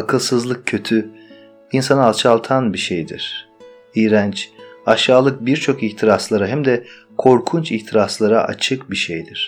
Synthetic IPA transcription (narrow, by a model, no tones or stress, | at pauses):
akʰɯlˠsɯzlˠɯk̚cʰø̞t̪ʰy | insanaalˠt͡ʃʰalˠt̪ʰanbiʃejd̪ḭɾ̥ | iːɾænt͡ʃaʃaːlˠɯk̚biɾt͡ʃʰo̞kiçt̪ʰiɾaslˠaɾaɦæmd̪ɛ | kʰo̞ɾkʰunt͡ʃiçt̪ʰiɾaslˠaɾaʔa̰t͡ʃʰɯk̚biʃejd̪iɾ̥